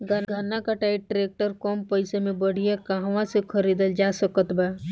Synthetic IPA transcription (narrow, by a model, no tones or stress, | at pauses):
ɡʱəɡʱənːakaʈaːiʈɾeːk̚ʈəɾkɔːmpəɪsemẽbəɽ̤ijakaɦʋãsekʰəɾiːd̪əld͡ʒasəkət̪baː